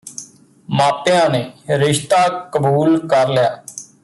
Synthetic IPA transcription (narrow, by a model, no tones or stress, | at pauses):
maːpɪjãːneːɾɪʃt̪aːkəbuːlkəɾlɪjaː